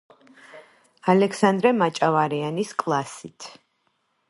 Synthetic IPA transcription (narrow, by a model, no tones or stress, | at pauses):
alɛkʰsand̪ɾɛmat͡ʃʼavaɾianiskʼlˠasit̪ʰ